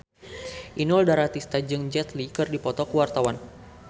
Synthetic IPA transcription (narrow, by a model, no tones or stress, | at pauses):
ʔinɔldaɾat̪ist̪ad͡ʒɨŋd͡ʒɛt̪likɨrdipɔt̪ɔkəwart̪awan